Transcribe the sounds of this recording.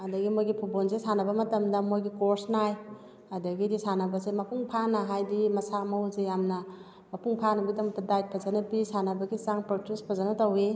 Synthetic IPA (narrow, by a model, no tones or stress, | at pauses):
ɐdɐɡimojɡipʰubonzesanɐbɐmɐtɐmdɐmojɡikoɾsnaj | ɐdɐɡidisanɐbɐzemɐpuŋpʰanɐɦajdimɐsamawzejamnɐ | mɐpuŋpʰanaɡidɐmtadajt̚pʰazanabisanɐbɐɡizaŋpɾotuspʰazanatawe